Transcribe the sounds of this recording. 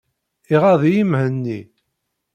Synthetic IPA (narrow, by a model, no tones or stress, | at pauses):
iʁɑðˤijimhənːi